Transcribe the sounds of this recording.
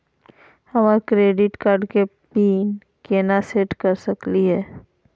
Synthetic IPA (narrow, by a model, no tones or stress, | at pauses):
hɐmaːɾkɾeːɖɪʈkaːɾɖke | piːn | keːnaseːʈkəɾsɐkliɦɛː